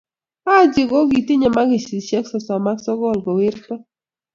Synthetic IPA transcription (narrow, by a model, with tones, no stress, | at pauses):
a˦˨d͡ʒɪ˨ɡɔ˦ɡi˨tɪ˦ɲɛ˨ma˦ɡɪ˨si˨sjɛ˦ksɔ˨sɔ˨ma˦ksɔ˦ɡɔ˦˨lɡɔ˨wɪ˦ɾtɔ˦